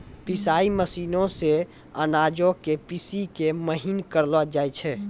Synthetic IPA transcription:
pisaːiməsiːnõse | ənaːd͡ʒokepisikeməɦinkəɾlwad͡ʒaːjt͡ʃʰɛː

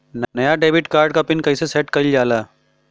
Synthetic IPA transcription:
nnɐjaɖeːbɪʈkaːɾɖkapɪnkɐisesɛːʈkɐld͡ʒaːlaː

